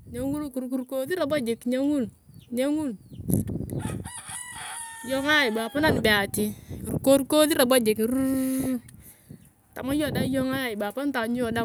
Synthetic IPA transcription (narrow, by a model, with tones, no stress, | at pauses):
ɲe˦ŋu˦lku˨ɾku˨ɾko˦ði˦ɾa˨ba˦d͡ʒe˨kɲe˦ŋu˦l | ɲe˦ŋu˦˨l | jɔ˦ŋa˦i˨ba˨pa˦na˦˨n˨bɛ˨a˨ti˨ɾko˦ɾko˦ði˦ɾa˨ba˦d͡ʒe˨kɾu˦ | ta̰˨ma˦jo˦˨da˦jɔ˦ŋa˦ɪ˨ba˨pa˦n˦ta˨ɲ˦o˨da˦